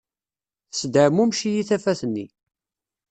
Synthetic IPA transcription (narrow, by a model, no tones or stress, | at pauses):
θsd̪əʕmumʃijiθæfæθənːi